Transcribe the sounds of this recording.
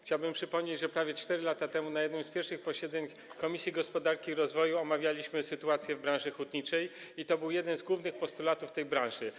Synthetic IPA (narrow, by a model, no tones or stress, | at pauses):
xt͡ɕawbɘmpʂɘpɔmɲed͡ʑʐɛpɾavʲjɛt͡ʂt̪ɛɾɘlat̪at̪ɛmunajɛd̪nɔ̃w̃spʲjɛɾfʂɘxpɔɕɛd̪zɛɲ | kɔmʲisʲjiɡɔspɔd̪aɾkʲiːɾɔzvɔjuɔmavʲjalʲiɕmɘsɘt̪uat̪sʲjɛvbɾãw̃ʐɘxut̪ɲit͡ʂɛjit̪ɔbɘwjɛd̪ɛnzɡwuvnɘxpɔst̪ulat̪uft̪ɛjbɾãw̃ʐɘ